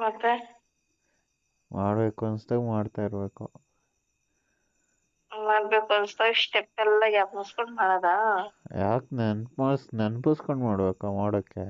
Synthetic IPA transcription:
mɐt̪ːe | maːɽbeːkuɐnst̪ɐmaːɽt̪aːiɾbeːku | maːɽbeːkuɐnst̪osʈepːɛlːɐɡjaːkmuskoɳɖmaːɽad̪ajaːknɐnpmaːɽsnɐnpuskoɳɖmaːɽbeːkamaːɽokːe

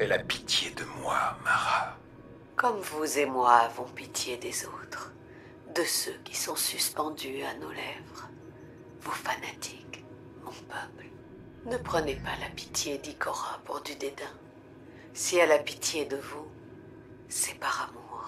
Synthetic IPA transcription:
ɛlapi̥t̪jed̪əmwamaʁa | kɔmvuzemwavɔ̃pit̪jed̪ezot̪χ | d̪əsøkʲi̥sɔ̃syspɑ̃d̪yanolɛvʁ | vofanat̪ʰi̥k | mɔ̃pœpl | nəpχənepalapi̥t̪jed̪ikʰɔʁapuʁd̪yd̪ed̪ɛ̃ | sialapit̪jed̪əvu | sɛpaʁamuʁ

